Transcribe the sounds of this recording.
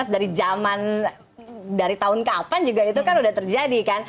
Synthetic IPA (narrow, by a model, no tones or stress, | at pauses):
asdaɾid͡ʒaman | daɾit̪aɦʊnkəapand͡ʒuɡait̪ukanudaht̪ərd͡ʒadikan